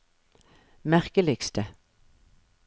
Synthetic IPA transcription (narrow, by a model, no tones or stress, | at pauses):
mæʁkəlɪkst̪ə